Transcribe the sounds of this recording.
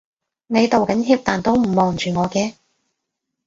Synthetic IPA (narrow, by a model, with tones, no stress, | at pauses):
ne˨˧jt̪o˨wkɐ˨˥nɦiː˧p̚t̪aː˨nt̪o˥wm̩˨˩mɔː˨ŋt͡ʃyː˨ŋɔː˨˧kɛː˧